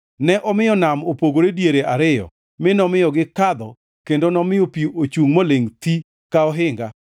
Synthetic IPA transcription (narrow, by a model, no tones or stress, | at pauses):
nɛʔɔmɪjɔnamopoɡoɾedjeɾeʔaɾɪjɔ̰ | mɪnɔmɪjɔɡɪkad̪ɔ | kendonɔmɪopiuot͡ʃuŋmoleŋt̪i | kaɔɦɪŋɡa